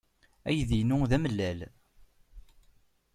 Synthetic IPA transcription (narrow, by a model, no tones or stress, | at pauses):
æjðinʊðæməlːæl